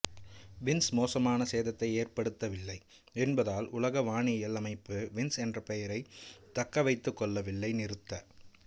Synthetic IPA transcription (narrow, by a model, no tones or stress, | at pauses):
ʋɪnsmoːsɐmaːnɐseːðɐt̪ːɐɪeːrpɐɽɯt̪ːɐʋɪlːɐɪ | ɛnbɐðaːlʊlɐɣɐʋaːɳɪjɐlɐmɐɪpːɯʋɪnsɛndrɐpɛjɐɾɐɪt̪ːɐkːɐʋɐɪt̪ːɯkːɔɭːɐʋɪlːɐɪnɪɾɯt̪ːɐ